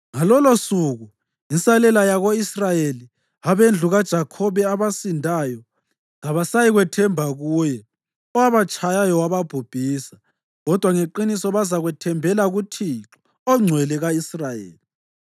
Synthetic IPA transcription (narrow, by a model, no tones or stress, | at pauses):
ŋalɔlosuɣu | insalɛlajaɣoisrajeli | aβend͡ɮʱuɣad̥ʒ̥ʱakʰɔβɛaβasindʱajɔ | ŋaβasajiɣwɛtʰɛmbʱaɣuːjɛ | ɔwaβat͡ʃʼajajɔwaβab̥ʱub̥ʱiːsḁ | ɣɔd̥ʱwaŋeǃinisɔβazaɣwɛtʰɛmbʱɛlaɣutʰiǁɔ̥ | ɔŋ͡ǀʱwɛlɛɣaisrajḛːli